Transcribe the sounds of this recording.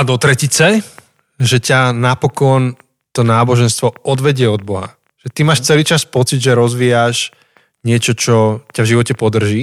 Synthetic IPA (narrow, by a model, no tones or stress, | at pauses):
ad̪ɔt̪ɾɛcit͡sɛ | ʒɛcanapɔkɔn | t̪ɔnaːbɔʒɛnst̪ʋɔɔd̪ʋɛɟɪɛɔd̪̚bɔɦa̰ | ʒ̥ɛt̪imaːʃt͡sɛliːt͡ʃaspɔt͡sid̪ʒɛɾɔzʋijaʒ | ɲɪɛt͡ʃɔt͡ʃɔcavʒiʋɔcɛpɔd̪r̩ʒi